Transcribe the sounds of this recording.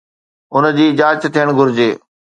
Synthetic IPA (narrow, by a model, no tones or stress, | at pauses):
ʊnd͡ʑiːɪd͡ʑaːət͡ɕt̪ʰijəɽ̃ɡʱʊɾɪd͡ʑeː